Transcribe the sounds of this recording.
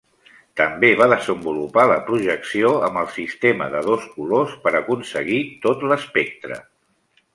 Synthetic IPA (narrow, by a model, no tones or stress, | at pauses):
t̪əmbeβ̞aðəzəmbulupaləpɾuʒəksioəmbəlˠsist̪eməðəðoskulospəɾəkunsəɣ̞it̪ot̪ləspek̚t̪ɾə̰